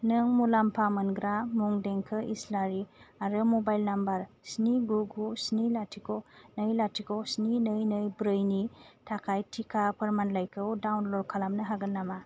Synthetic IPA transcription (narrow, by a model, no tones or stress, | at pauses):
nɯŋmulampʰamɯnɡɾamuŋdeŋkʰɯʔislaɾiaɾɯmobajlnambaɾ | sniɡuɡusnilatʰikonɯjlatʰikʰosninɯjnɯjbɾɯjnitʰakʰajtʰikʰapʰɯɾmanlajkʰɯwdawnlɔɾkʰalamnɯɦaɡɯnːama